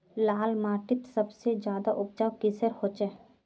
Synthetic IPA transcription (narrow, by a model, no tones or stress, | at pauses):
laːlmaːʈɪt̪səbsed͡ʒjaːd̪aʔʊp̚t͡ʃaːwkɪsəɾhoːt͡ʃɛː